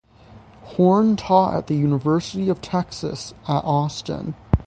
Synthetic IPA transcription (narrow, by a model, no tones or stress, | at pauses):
hɔɹntʰɔə̰t̪̚ðɨjʉnəvɜ˞sɨɾiʌv̥tʰɛksɨ̰səɾʔɔstə̰̃n